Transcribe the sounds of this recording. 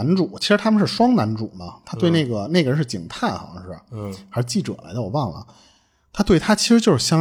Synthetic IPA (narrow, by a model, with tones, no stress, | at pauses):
a˧˥nʈ͡ʂu˨˩˦t͡ɕʰi˧˥ʂɻ̩˧t̪ʰa˥mə˨ʂɻ̩˥˩ʂwɑ˥ŋna˧˥nʈ͡ʂṵ˨˩˦nɐ˦t̪ʰa˥t̪we˧ɪne˥˩ɡə˩ne˥˩ɪɡə˩ɻə˧˥ʂɻ̩˥˩t͡ɕḭ˨˩ŋt̪ʰa˥˩nxʂɻ̩˥˩a̰˩xa˧˥ʂ̩˥˩t͡ɕi˥˩ʈ͡ʂɤ̰˨˩la̰˧˥ɪt͡s̪wɔ̰˨˩wɑ˥˩ŋlə̰˩ | t̪ʰa˥t̪we˥˩ɪt̪ʰa˥t͡ɕʰi˧˥ʂɻ̩˧˥jo˥˧ʊʂɻ̩˥˩ɕjɑ˥